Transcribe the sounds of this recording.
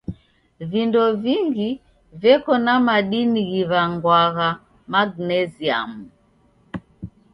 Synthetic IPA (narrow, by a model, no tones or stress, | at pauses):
vindɔviŋɡi | vjɛkɔnamaɗiniɣiβaŋɡwaɣa | maɡnɛzia̰mu